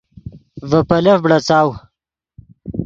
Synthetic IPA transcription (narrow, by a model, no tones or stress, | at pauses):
vɐpɐlɐfbɽɐt͡saːw